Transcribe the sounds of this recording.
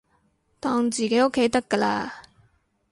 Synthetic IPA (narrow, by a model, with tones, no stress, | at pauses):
t̪ɔː˧ŋt͡siː˨˩ke˨˥o˥kʰːe˨˥jt̪ɐ˥kːə˧laː˧